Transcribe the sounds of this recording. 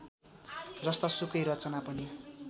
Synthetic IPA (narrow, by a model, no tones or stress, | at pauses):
d͡zʌst̪ʌsukʌjɾʌt͡sʌnapʌni